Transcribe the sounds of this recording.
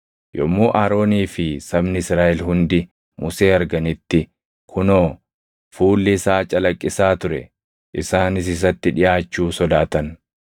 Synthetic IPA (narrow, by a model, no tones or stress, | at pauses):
jɔmːoːʔaːɾo̞ːniːfɪsɐbnɪɪsɾaːʔɛlɦʊnd̪ɪ | mʊse̞ːɐɾɡɐnɪt̪ːɪ | kʰʊnoː | fuːlːɪsaːt͡ʃʼɐlɐkʼːɪsaːt̪ʊɾɛ̰ | ʔɪsaːnɪs̬ɪs̬ɐt̪ːɪᶑɪjaːt͡ʃːuːsɔd̪aːt̪ɐn